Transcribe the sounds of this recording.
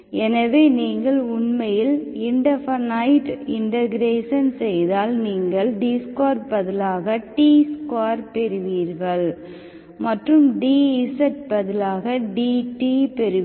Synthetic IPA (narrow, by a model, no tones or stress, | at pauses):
ɛnɐʋeːniːŋɡɐɭʊɳmɐjɪlɪɳɖɐfɐnɐɪʈɪɳɖɐɣɪɾeːʂɐnsɛjðaːlniːŋɡɐɭɖiːskwaːɾbɐðɪlaːɣɐʈiːskaːɾpɛɾɯʋiːɾɣɐɭ | mɐʈrɯmɖiːɪsɐʈ̚bɐðɪlaːɣɐɖiːʈipɛɾɯ